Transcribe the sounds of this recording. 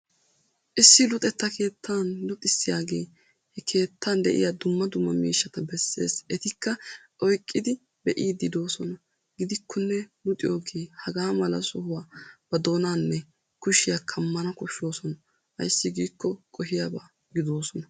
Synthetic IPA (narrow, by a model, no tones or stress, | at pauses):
ʔɪsːɪlʊt̪ʼɛt̪ːɐkʰe̞ːt̪ʰːaːnlʊt̪ʼɪsːɪjaːɡe̞ː | hɛkʰe̞ːt̪ʰːand̪ɛʔɪ̰jaːd̪ʊmːɐd̪ʊmːɐmḭːʃːɐt̪ɐbɛsːḛːsɛt̪ɪkːɐ | ʔɔjkʼːɪd̪ɪ | bɛʔiːd̪ɪd̪o̞ːsɔnɐ | ɡɪd̪ɪkʰːɔnːɛlʊt̪ʼɪjoːɡeːhɐɡaːmɐlɐ̰sɔhʊwaːb̥ɐd̪o̞ːnaːnːɛ | kʊʃɪjakʰɐmːɐnɐkʊʃːo̞ːsɔnɐ | hɐ̰jsːɪɡiːkːɔkʼɔɦɪjabaː | ɡɪd̪o̞ːsɔnɐ